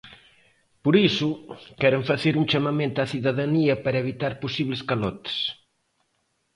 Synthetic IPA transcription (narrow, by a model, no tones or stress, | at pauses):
poɾisukɛɾeɱfaθeɾuŋt͡ʃamamẽnt̪aθiðaðaniɐpaɾɐeβit̪aɾposiβleskalɔt̪e̥s